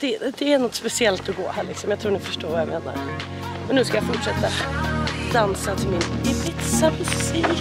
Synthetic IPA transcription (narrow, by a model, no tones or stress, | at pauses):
d̪̥ɛd̪ɛæɾnɔt̪ːspɛsɪɛlt̪ɔɡo̰ːhæːɾɭɪksɔmjaɪt̪ʰɾuːnɪfœʂʈoːɾʋɑːjaɪmeːna̰ɾ | mɛnːʉːskajaɪfɔʈʂɛt̪ːa | d̪ansət̪ʰɪlmɪnɪbɪt̪sabɪsi